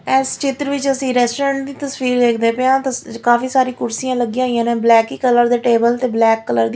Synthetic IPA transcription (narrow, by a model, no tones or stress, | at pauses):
ɛst͡ʃɪt̪ɾəʋɪt͡ʃəsĩːɾɛːsʈːɾə̃ːɳʈ̚d̪iːt̪əsʋiːɾd̪eːkʰd̪eːpeãːt̪akaːfiːsaːɾiːkʊɾsijãːləɡiãːijãːnẽːblɛːkiːkələɾd̪eːʈeːbəlt̪eːblɛːkːələɾd̪i